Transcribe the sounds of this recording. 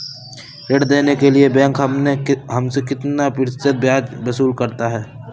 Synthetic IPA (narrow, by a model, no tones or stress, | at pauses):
ɾeːɽd̪eːnekeliebɛ̃ːŋkɦɐmneɦɐmsekɪt̪napɪɾsət̪̚bjaːd͡ʒbɐsuːlkɐɾt̪aɦɛː